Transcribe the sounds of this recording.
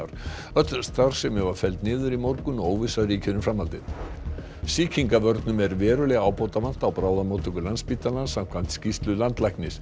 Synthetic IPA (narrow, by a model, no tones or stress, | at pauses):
ɾ̥ | œt̪st̪aɾ̥sɛmjɛɣvaɾ̥fɛlt̪nɪːðʏɾimɔɾkʏnɔoːwvɪsaðriːcʰɪnʏmfɾamːalt̪ɪð | siːcʰiŋkavœɾt̪nʏmɛɾvɛːɾʏlɛɣaːwpowt̪aman̥t̪awpɾaːwðamowt̪ʏŋkʏlanspit̪anasam̥kʰvan̥t̪scist̪lʏlant̪lajknɪs